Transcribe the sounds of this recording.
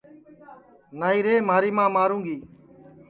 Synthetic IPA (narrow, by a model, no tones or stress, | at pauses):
naːiːɾeːmaːɾiːmãːmaːɾũːɡiː